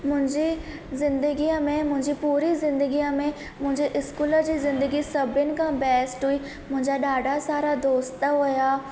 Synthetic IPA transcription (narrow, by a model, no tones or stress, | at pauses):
mʊ̃ɲd͡ʒiː | zɪ̃nd̪əɡijãːmẽːmʊ̃ɲd͡ʒiːpuːɾiːzɪ̃nd̪əɡijãːmẽː | mʊ̃ɲd͡ʒeːʔɪskuːləɾd͡ʒiːzɪ̃nd̪əɡiːsəbɪnkãːbɛːsʈɦʊiː | mʊ̃ːɲd͡ʒaːɗaːɖaːsaːɾaːd̪oːst̪aɦoːjaː